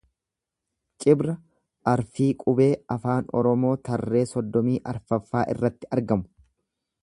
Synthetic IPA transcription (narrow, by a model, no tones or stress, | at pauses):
t͡ʃʼɪbɾɐ | ʔɐɾfiːkʼʊbe̞ːɐfaːnɔ̰ɾɔmo̞ːt̪ɐrːe̞ːsɔd̪ːɔmiːʔɐɾfɐfːaːʔɪ̰rːɐt̪ːɪʔɐɾɡɐmʊ̥